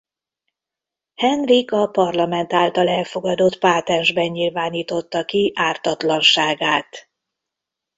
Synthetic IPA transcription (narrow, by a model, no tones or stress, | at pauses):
hɛnrikɒpɒrlɒmɛnt̪aːlt̪ɒlɛlfo̞ɡɒd̪ot̪paːt̪ɛnʒbɛɲɲilvaːniːt̪o̞t̪ːɒkiʔaːrt̪ɒt̪lɒnʃaːɡaːt̪